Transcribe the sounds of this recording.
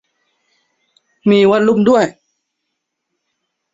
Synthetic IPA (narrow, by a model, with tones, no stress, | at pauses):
miː˧wa˧˥nlu˧˥˩mdu˥˩əj